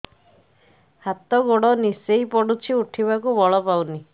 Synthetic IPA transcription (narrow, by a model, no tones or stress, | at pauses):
hat̪ɔɡoɽɔnisejpɔɽut͡ʃʰiuʈʰiβakubɔɭɔpawni